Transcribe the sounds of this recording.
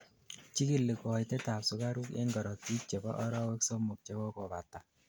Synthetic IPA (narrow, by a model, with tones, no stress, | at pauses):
t͡ʃi˦ki˦˨lːe˨kɔ˨jtɛ˦ta˨psu˦ka˦ɾu˦kḛ˦ŋɡɔ˨ɾɔ˨ti˦t͡ʃe˨bɔ̰˦ʔɔ˦ɾɔ˦we˦kso˦mu˨k̚t͡ʃe˦bɔ˦kɔ˨ba˨ta˨